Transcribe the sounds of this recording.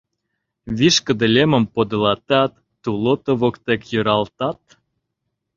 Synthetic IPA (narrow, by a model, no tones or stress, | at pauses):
βiʃkə̆d̪ə̆lʲemə̆mpod̪ɤ̆lɑt̪ɑt̪ːulot̪ŏβokt̪ekjø̆ɾɑlt̪ɑt̪̚